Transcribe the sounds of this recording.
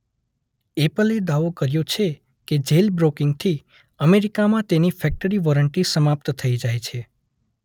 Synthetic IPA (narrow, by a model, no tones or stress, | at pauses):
epəled̪aʋokəɾjot͡ʃʰe | ked͡ʒelbɾokɪŋɡt̪ʰi | əmeɾikamãt̪enifʰɛk̚ʈəɾiʋɔɾəɳʈisəmap̚t̪t̪ʰəid͡ʒajt͡ʃʰe